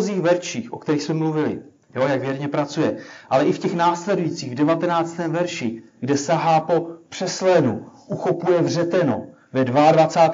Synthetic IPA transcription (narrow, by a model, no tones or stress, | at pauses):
ziːxvɛɾʃiːxʔo̞kt̪ɛɾiːxsmɛmluvɪlɪ̰ | jojakvjɛɾɲɛpɾat͡sujɛʔalɛʔɪfcɛxnaːslɛdujit͡siːɣvdɛvat̪ɛnaːt͡st̪ɛːmvɛɾʃɪɡdɛsaɦaːpo̞pr̝̥ɛslɛnuʔuxopujɛvr̝ɛt̪ɛno̰ | vɛdvaadvat͡saːt̪